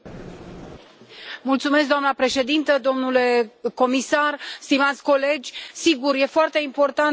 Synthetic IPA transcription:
mult̪sumesk̚d̪oamnəpɾe̞ʃe̞d̪int̪əd̪o̞mnule̞ko̞misarst̪imat̪sʲko̞le̞d͡ʒʲsiɡurje̞foart̪e̞impo̞rt̪a

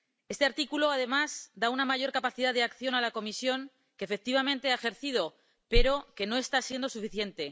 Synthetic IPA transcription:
e̞st̪e̞aɾt̪ikulo̞aðe̞mazd̪aunamaʝo̞ɾkapaθiðaðe̞akθjo̞nalako̞misjo̞ŋ | ke̞ːfe̞k̚t̪iβamẽ̞nt̪e̞ae̞xe̞ɾθið̞o̞ | pe̞ɾo̞ke̞no̞e̞st̪asje̞nd̪o̞sufiθje̞nt̪e̞

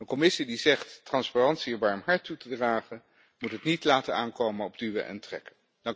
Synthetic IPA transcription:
ənkɔmɪsidizɛχttrɑnsparɑntsiəbaɹmɦɑɹtːutədraːχən | mutɦətnitlaːtənaːnkowmənɔb̚dyʋə̰ʔɛ̰ntrɛ̰kə | d

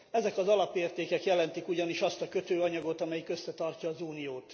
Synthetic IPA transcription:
ɛzɛkɒzɒlɒpːeːrt̪eːkɛkjɛlɛnt̪ikuɟɒniʃɒst̪ɒkø̞t̪øːɒɲɒɡo̞t̪ɒmɛjikø̞sːɛt̪ɒrcɒːzuːnijoːt̪

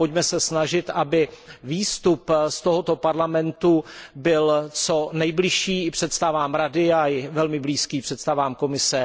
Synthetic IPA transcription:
pocmɛsɛsnaʒɪt̪ʔabɪviːst̪upst̪oɦot̪opaɾlamɛnt̪ubɪlt͡sonɛjblɪʃiːpr̥ɛt̪st̪avaːmɾadɪaɪvɛlmɪbliːskiːpr̝̥ɛt̪st̪avaːmko̞mɪsɛ

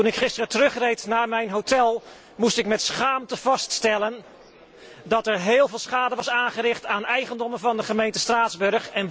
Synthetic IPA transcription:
tunɪkχɪstərətərɵχrejtnaːɹmɛjnɦowtʰɛlˠ | mustɪkmɛtsχaːmtəv̥ɑststɛlən | dɑtɛɹɦeːlˠvɪːlˠsχaːdəʋɑsaːnχəɾɪχtaːnɛjχəndɔmənvɑndəχəmejntəstraːdzbɵɹχɛn

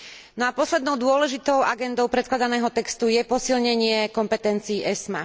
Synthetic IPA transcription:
nɔapɔslɛd̪nɔʊd̪ʊɔlɛʒit̪ɔʊʔaɡɛnd̪ɔʊpɾɛt̪klad̪anɛːɦɔt̪ɛkst̪ujɛpɔsilɲɛɲɪɛkɔmpɛt̪ɛnt͡siːʔɛsma

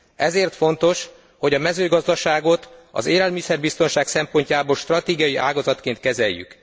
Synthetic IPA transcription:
ɛzeːrt̪fo̞nt̪o̞ʃ | ho̞ɟɒmɛzøːɡɒzd̪ɒʃaːɡo̞t̪ɒ̰zeːlɛlmisɛrbist̪o̞nʃaːksɛmpo̞ɲcaːboːlʃt̪rɒt̪eːɡijɒjiʔaːɡɒzɒt̪keːnt̪̚kɛzɛjːy̰k

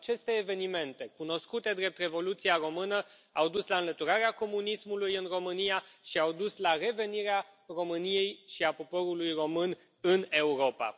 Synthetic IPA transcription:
at͡ʃe̞st̪e̞ːve̞nime̞nt̪e̞kuno̞skut̪e̞d̪ɾe̞p̚t̪re̞vo̞lut̪siaɾo̞mɨnəawd̪uslaɨnlət̪uɾaɾeako̞munismulujɨnro̞mɨnijaʃiawd̪uslare̞ve̞niɾearo̞mɨnije̞jʃiapo̞po̞ɾulujro̞mɨn | ɨne̞uɾo̞pa̰

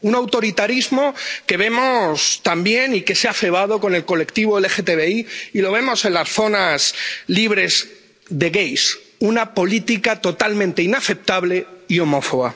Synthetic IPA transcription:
unawt̪o̞ɾit̪aɾizmo̞ke̞β̞e̞mo̞st̪ambje̞nike̞seafe̞β̞aðo̞ko̞ne̞lko̞le̞kt̪iβ̞o̞elexet̪eβe̞iːlo̞β̞e̞mo̞se̞nlasθo̞nazliβ̞ɾe̞z | ðe̞ɣejs | unapo̞lit̪ikat̪o̞t̪almẽnt̪e̞inaθe̞p̚t̪aβle̞io̞mo̞foɣa

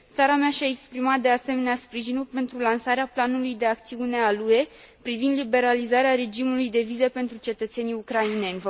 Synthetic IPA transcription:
t̪saɾameaʃʲae̞kspɾimat̪̚d̪e̞ase̞me̞neaspɾiʒinulpe̞nt̪ɾulansaɾeaplanulujd̪e̞ak̚t̪siune̞alue̞pɾivind̪libe̞ɾalizaɾeaɾe̞d͡ʒimulujd̪e̞vizepe̞nt̪ɾut͡ʃe̞t̪ət̪se̞nijukɾaine̞nʲ

